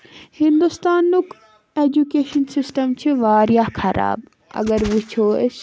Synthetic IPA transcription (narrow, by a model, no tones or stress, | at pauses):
hĩnd̪ust̪aːnːuk | eːd͡ʒukeːʃɐnsɪsʈɐmt͡ʃʰiʋaːɾjakʰɐɾa̰ːb | ɐ̰ɡəɾʋut͡ʃʰoːes